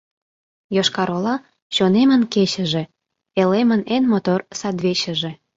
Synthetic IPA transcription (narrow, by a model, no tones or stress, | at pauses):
joʃkɑɾolɑ | ɕonemənket͡ɕə̆ʒe̽ | elemənenmot̪orsɑd̪βeɕə̆ʒĕ